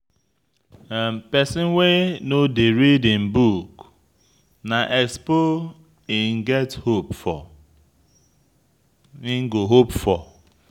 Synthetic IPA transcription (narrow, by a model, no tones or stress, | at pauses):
pɛsɪnwenodeɾidɪm̩buk | naʔɛkspo | ɪŋ̩ɡɛthopfɔ | iŋ̩ɡoɦopfɔ